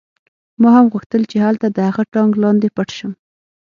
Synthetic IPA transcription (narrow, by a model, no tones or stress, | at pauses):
mɑɦamɣuxt̪əlt͡ʃeɦalt̪ad̪əhaɣaʈɑŋɡlɑnd̪epaʈʃəm